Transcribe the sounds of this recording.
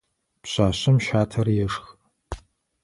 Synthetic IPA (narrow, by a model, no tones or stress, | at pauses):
pɕʷaːɕɐmʃaːtʰɐrjɛʂx